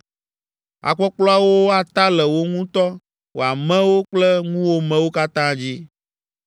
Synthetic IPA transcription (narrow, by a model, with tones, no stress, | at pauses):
a̰˨k͡pɔ˦k͡plɔ˦a˦˨wo˦a˨t̪a˦lɛ˨wo˦ŋũ˦t̪ɔ˦ | wo˨a˨mɛ̃˦wo˦k͡plɛ˦ŋũ˦wo˦mɛ̃˦wo˦ka˦t̪ã˦d͡ʑi˦